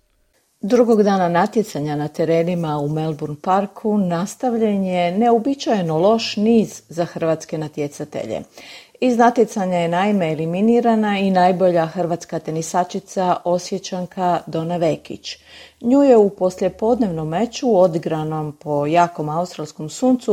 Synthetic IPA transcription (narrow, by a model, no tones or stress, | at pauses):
d̪ɾuɡo̞ɡd̪aːnanat̪je̞t̪saɲanat̪e̞ɾeːnimaume̞lˠbuɾnpaɾkʰunast̪aʋʎenje̞ne̞obit͡ʃajnolo̞ʃniːzːaxr̩ʋat̪ske̞nat̪jet̪sat̪ḛʎḛ | iznat̪jet̪saɲaje̞naime̞ːliminiːɾanainajbo̞ʎaxr̩ʋat̪skat̪enisat͡ʃit̪saʔo̞sʋjet͡ɕaŋkʰad̪o̞naʋekḭt͡ɕɲuːjeupo̞slje̞po̞d̪ne̞ʋno̞mːe̞t͡ɕuod̪iɡɾano̞mpo̞jaːko̞maust̪ɾaʎʲsko̞msuːnt̪su